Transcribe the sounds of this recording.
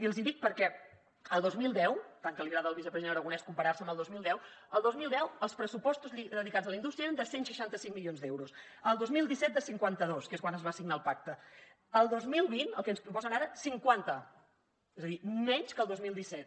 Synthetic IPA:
iəlzind̪ik̚pəɾkɛ | əlˠd̪ozmilˠd̪ɛwt̪aŋkəliβɾaðəlˠβisəpɾəziðenɾəɣunɛskumpəɾaɾsəmbəlˠd̪ozmilˠd̪ɛw | əlˠd̪ozmilˠd̪ɛwəlˠspɾəsupɔst̪uziðəðikad͡zəlˠind̪ust̪ɾiəeɾənd̪əsensʃəʃant̪əsiŋmilionzd̪ewɾus | əlˠd̪ozmilˠd̪isɛt̪̚d̪əsiŋkwant̪əðoskeskwanəzβasiɡnaəlˠpak̚t̪ə | əlˠd̪ozmilˠβinəlˠkɛənspɾupɔzənaɾəsiŋkwant̪ə | ezəðimɛɲskəlˠd̪ozmilˠd̪isɛt̪̚

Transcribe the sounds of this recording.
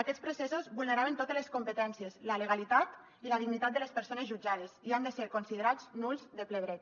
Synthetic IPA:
akɛt̪spɾusɛsozβulˠneɾaβent̪ot̪əleskumpət̪ɛnsiəzlələɣalit̪at̪ | iləðiɣnit̪at̪̚d̪əlespəɾsonəzʒud͡ʒað̞eziand̪əseɾkonsiðeɾaznulˠzðəpleβɾɛt̪

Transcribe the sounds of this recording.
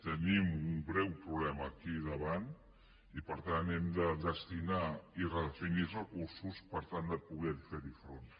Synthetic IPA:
t̪enimuŋɡɾewpɾuβlemakiðaβan | ipəɾt̪anemd̪ad̪est̪inaireðefinizakususpəɾt̪and̪apuɣɛɾfeɾifɾon

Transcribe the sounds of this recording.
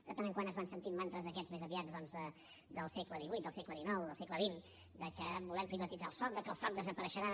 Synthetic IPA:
d̪ət̪anəŋkwanəzβansənt̪immant̪ɾəzðəkɛzmezəβiad͡zðɔnzðə | d̪əlˠsekləðiβujt̪̚əlˠsekləðinɔwðəlˠsekləβin | d̪əkəβulɛmpɾiβət̪id͡zalˠsɔt̪̚d̪əkəlˠsɔt̪̚d̪əzəpəɾəʃəɾa

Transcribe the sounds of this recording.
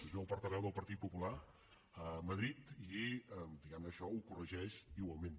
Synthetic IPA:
əwpəɾt̪əɾɛwðəlˠpəɾt̪it̪̚pupula | əməðɾit̪id̪iɣɛmnəːʃɔukurəʒɛʃiɣwalˠmẽn

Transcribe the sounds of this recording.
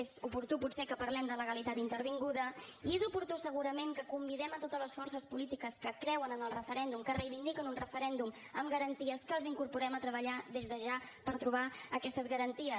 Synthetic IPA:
ezupuɾt̪uput̪sɛkəpəɾlɛmd̪ələɣəlit̪at̪int̪əɾβiŋɡuðəiezupuɾt̪usəɣuɾəmeŋkəkumbiðɛmət̪ot̪əzləsfɔrsəspulit̪ikəskəkɾɛwənənəlˠrəfəɾɛnd̪umkərəjβind̪ikənunrəfəɾɛnd̪um | əmɡəɾənt̪iəskəlˠziŋkuɾpuɾɛmət̪ɾəβəʎaðezðəʒa | pəɾt̪ɾuβ̞aəkɛst̪əzɣəɾənt̪iə

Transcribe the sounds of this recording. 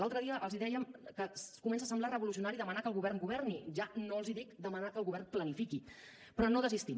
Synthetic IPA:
lalˠt̪ɾəðiəʔəlˠziðɛjəmkəkumɛnsasəmblarəβulusiunaɾiðəmanakəlˠɣuβɛrŋɡuβɛrniʒanoəlˠziðikd̪əmənakəlɣuβɛrnplənifiki | pɾɔnoðəzist̪i

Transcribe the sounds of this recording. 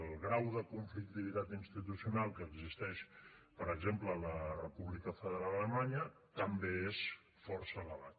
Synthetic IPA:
lˠɣɾawðəkuɱflikt̪iβit̪at̪inst̪it̪usiunalˠkəːɡzist̪ɛʃpəɾəɡzemplələrəpuβlikəfəðəɾalələmaɲə | t̪əmbees | fɔrsələβat̪̚

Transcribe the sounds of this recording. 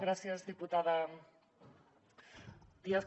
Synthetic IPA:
ɣɾasjazðiput̪aða | d̪ias

